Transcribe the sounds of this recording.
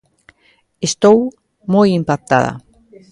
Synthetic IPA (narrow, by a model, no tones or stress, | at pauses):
est̪ow | mojimpak̚t̪a̰ða̰